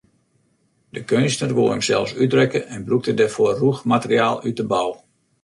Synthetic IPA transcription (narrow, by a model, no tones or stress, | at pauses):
dəkønsnərʋoəmsɛlˠfsydrɛkəɛnbluk̚tədɛrfoːruxmatəriaːlˠyt̚dəbɔw